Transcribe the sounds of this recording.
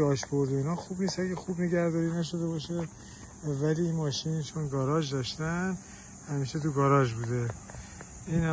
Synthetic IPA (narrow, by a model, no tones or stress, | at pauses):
ɒːʃbo̞ɾd̪einɒːxuːbniːsæɡexubneɟæɾd̪ɒːɾiːnæʃ̬od̪ebɒːʃe | væliːnmɒːʃint͡ʃʰonɡɒːɾɒːʒd̪ɒʃt̪æn | hæmiːʃet̪uɡɒːɾɒːʒbuːd̪e | iːnh